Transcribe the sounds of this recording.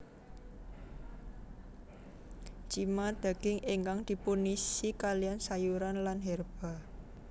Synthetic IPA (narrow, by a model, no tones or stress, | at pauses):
t͡ʃimad̪̥a̤ɡ̥ɪŋʔiŋkaŋd̪̥i̤punisikalijansajuɾanlanɦɛrb̥a̤